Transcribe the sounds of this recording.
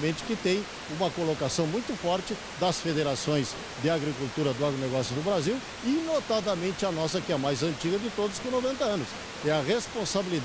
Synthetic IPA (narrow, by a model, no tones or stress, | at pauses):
mẽnt͡ʃɪ̥kɪt̪ẽj̃ | ũmɐkolokasɐ̃w̃mũj̃t̪ʊfɔɾt͡ʃɪ | d̪ɐsfed̪eɾasõj̃s | d̪ɪaɡɾikult̪uɾɐd̪ʊaɡɾoneɡɔsjʊd̪ʊbɾaziw | inot̪ad̪ɐmẽnt͡ʃɪɐnɔsɐkɪɛɐmajzɐ̃nt͡ʃiɡɐd̪ɪt̪od̪ʊskõnovẽnt̪ɐɐ̃nʊs | ɛɐʁespõsabilid̪